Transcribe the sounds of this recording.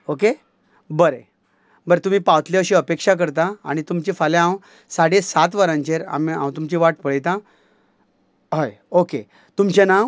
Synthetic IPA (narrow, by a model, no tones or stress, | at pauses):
oke | bəɾe | bəɾet̪um̤iːpaʋt̪leəɕiəpekʂak̬əɾt̪aa̰ɽ̃it̪umt͡ɕifaleãw | saɽesat̪ʋəɾãɲt͡ɕeɾa̰miã̰wt̪umt͡ɕiʋaʈpəɭjt̪ã | ɦəj | oke | t̪umt͡ɕẽnãw